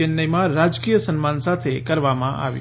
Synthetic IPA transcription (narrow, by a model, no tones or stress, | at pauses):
ɪnːəjmãɾad͡ʒkijəsənmansat̪ʰekəɾʋamãʔa̰ʋjḭ